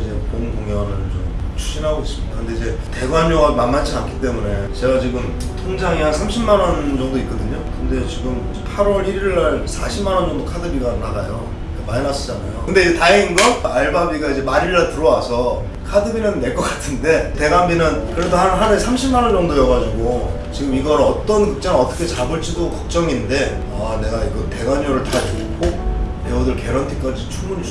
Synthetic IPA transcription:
id͡ʑe̞ʌt͈ʌnkoŋjʌɾɯɭt͡ɕomt͡ɕʰu̥ɕ͈ʰinɦaɡois͈ɯmɲidakɯnde̞id͡ʑe̞ | te̞ɡwamoɡamanmːat͡ɕʰiankʰi̥t͈e̞mune̞t͡ɕe̞ɡat͡ɕiɡɯm | tʰoŋd͡ʑaŋiaŋsʰamɕʰimːanʌnd͡ʑʌŋdoit̚k͈ʌdɯɲokɯnde̞t͡ɕiɡɯmid͡ʑepʰaɾwʌɾiɾiɾiɭːaɭsʰaɕʰimanʌnd͡ʑʌŋdokʰadɯbiɡanɯnaɡajo̰ | emainas͈ʌ̥d͡ʑana̰jo̰kɯnde̞d͡ʑetainɡʌn̚aɭbabiɡaid͡ʑe̞maɾiɭːatɯɾʌwasʰʌ | kʰadɯbinɯnːe̞ɭk͈ʌk͈ḁtʰɯnde̞te̞ɡambinɯnkɯɾedʰohaɦanesʰamɕʰimːanʌnd͡ʑʌŋdojʌɡad͡ʑuɡo | t͡ɕiɡɯmiɡʌɾʌt͈ʌnkɯk̚t͡ɕ͈aŋʌt͈ʰʌkʰet͡ɕabɯɭt͡ɕ͈ʰidokʌk̚t͡ɕ͈ʌŋinde̞ | ane̞ɡaiɡɯte̞ɡaɲoɾɯɭtatuɡkok̚newodɯɭke̞ɾʌntʰik͈ad͡ʑit͡ɕʰumuɲi

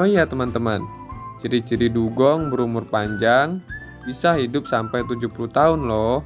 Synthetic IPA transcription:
oijat̪əmant̪əman | t͡ʃiɾit͡ʃiɾiduɡɔŋbəɾumʊrpaɲd͡ʒaŋ | bisahɦidʊp̚sampajt̪ud͡ʒupuluht̪aʊnlɔh

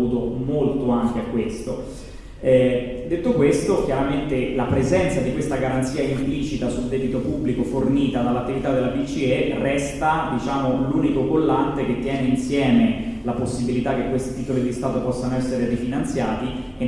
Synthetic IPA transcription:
uːt̪omolt̪oaŋk̟eakːwest̪o | d̪et̪ːokwest̪ok̟jaɾament̪elapɾezɛnt̪sad̪ikwest̪aɡaɾant̪siːaimplit͡ʃit̪asuld̪ɛːbit̪opubːlikoforniːt̪ad̪alːat̪ːivit̪ad̪ːelabit͡ʃierɛst̪ad̪it͡ʃaːmoluːnikoɡolːant̪ek̟et̪ːjɛːneinsjɛːmelaposːibilit̪akːekːwest̪it̪iːt̪olid̪ist̪aːt̪opɔsːanoɛsːeɾerifinant̪sjaːt̪i | e

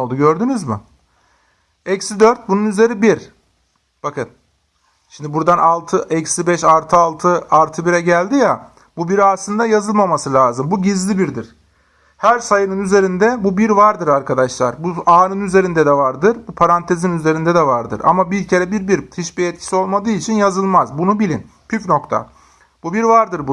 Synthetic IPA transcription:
olˠd̪uɟø̞ɾd̪ynyzmɪ | ɛcsid̪øɾt̪̚bununyze̞ɾibiɾ | b̥akʰɯn | ʃimd̪ibuɾd̪anʔalˠt̪ʰɯʔɛcsibɛʃalˠt̪ʰɯalˠt̪ʰɯalˠt̪ʰɯbiɾɛɟælʲd̪ija | bubiɾiaslˠɯnd̪ajazɯlˠmamasɯlʲaːzɯmbuɟizlʲibiɾd̪iɾ̥ | hæɾsajɯnɯnyze̞ɾind̪ɛbubiɾvaɾd̪ɯɾaɾkʰad̪aʃlˠa̰ɾbuaːnɯnyze̞ɾind̪ɛd̪ɛvaɾd̪ɯɾbupʰaɾant̪ʰe̞zinyze̞ɾind̪ɛd̪ɛvaɾd̪ɯ̰ɾʔa̰mabiɾcʰeɾɛbiɾbiɾhit͡ʃbiɛt̪̚cʰi̥sio̞lˠmad̪ɯːit͡ʃʰinjazɯlˠmazbunubilʲin | pʰyfno̞kt̪ʰa̰ | bubiɾvaɾd̪ɯɾbu

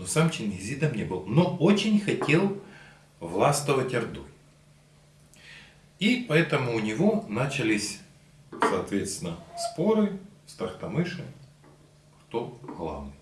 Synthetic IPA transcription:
nosamt͡ɕɪnʲɪzʲit̪əmnʲebɨlˠnoot͡ɕɪnʲxɐtʲe̞lˠ | vlˠast̪əvətʲɐrd̪uj | ipɐɛt̪əmʊːnʲɪvo̞nat͡ɕɪlʲisʲ | sɐːt̪vʲe̞t̪st̪ʲɪnəspo̞ɾɨst̪ɐrt̪ɐmɨʂɨ | kt̪oɣlˠa̰vnɨj

